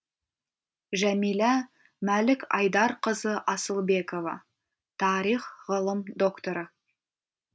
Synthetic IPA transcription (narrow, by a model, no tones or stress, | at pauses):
ʒæmilɑ | mælɪkɑjd̪ɑɾqəzəʔɑsəlˠbe̞ko̞vɑ̰ | t̪ʰɑɾiχʁəlˠəmd̪o̞kt̪o̞ɾə